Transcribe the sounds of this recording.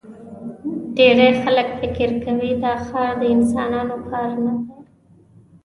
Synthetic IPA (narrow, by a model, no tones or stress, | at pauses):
ɖeɾexaləkfɪkɪɾkawid̪ɑxɑɾd̪əɪnsɑnɑnopʰɑɾanade